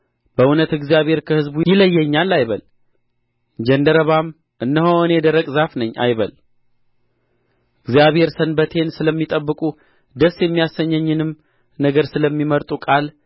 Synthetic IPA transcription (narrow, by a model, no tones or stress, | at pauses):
bəʔunət̪ɨɡzijaβhe̞ɾkʰəhɨzbujɪləjːɛɲːalːajβəl | d͡ʒənd̪əɾəβam | ʔɨnːəhoɨnɛd̪əɾəkʼzafnəɲːʔa̰jβəl | ɨɡzijaβhe̞ɾsənbət̪ʰe̞nsɨləmːit̪ʼəbːɨkʼu | d̪əsjɛmːijasːəɲːəɲːɨnɨm | nəɡəɾsɨləmːiməɾt̪ʼukʼal